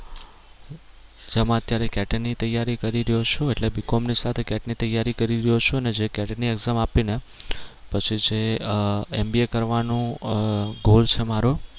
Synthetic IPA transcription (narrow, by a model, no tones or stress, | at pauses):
d͡ʒemãət̪jaɾekɛʈənit̪əjaɾikəɾiɾəɦjot͡ʃʰũeʈlebikomnisat̪ʰekɛʈnit̪əjaɾikəɾiɾəjot͡ʃʰũəned͡ʒekɛʈnieɡzamapine | pət͡ʃʰid͡ʒe | embiekəɾʋanũ | ɡolt͡ʃʰemaɾo